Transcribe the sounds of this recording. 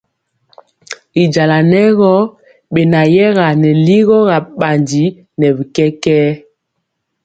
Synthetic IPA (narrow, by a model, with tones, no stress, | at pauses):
i˨d͡ʒa˨la˨nɛ˦ɣɔ˦ | ɓe˨na˨jɛ˦ɣa˨nɛ˨li˦ɣɔ˦ɣa˨ɓa˨ndi˨˦ | nɛ˨βi˨kɛ˦kɛː˦